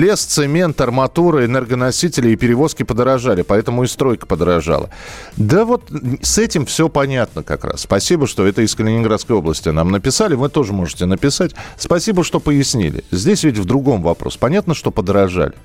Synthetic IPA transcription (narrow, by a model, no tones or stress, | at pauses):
lʲest̪sɨmʲe̞nt̪ɐrmɐt̪uɾɨɛnɛrɡənɐsʲitʲɪlʲɪːpʲɪɾʲɪvo̞skʲɪpəd̪əɾɐʐalʲɪpɐɛt̪əmʊɪst̪ɾo̞jkə̥pəd̪ɾɐʐa̰lˠə̰d̪əvo̞t̪sɛtʲɪmfsʲopɐnʲat̪nəkɐ̰kɾa̰sːpɐsʲibəʂt̪o̞ɛt̪əɪskəlʲɪnʲɪnɡɾat̪skəjo̞blˠəsʲtʲɪnamnəpʲɪsalʲɪvɨt̪o̞ʐɨmo̞ʐɨtʲɪnəpʲɪsatʲspɐsʲibəʂt̪o̞pəjɪsʲnʲḭlʲɪ̰zʲdʲesʲvʲɪtʲvd̪ɾʊɡo̞mvɐpɾo̰spɐnʲat̪nəʂt̪o̞pəd̪ɾɐʐa̰lʲɪ